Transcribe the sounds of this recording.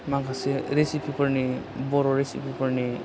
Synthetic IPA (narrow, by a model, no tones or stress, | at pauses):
makʰaseɾesipʰipʌɾne | bɔɾɔɾesḭpʰipɔɾne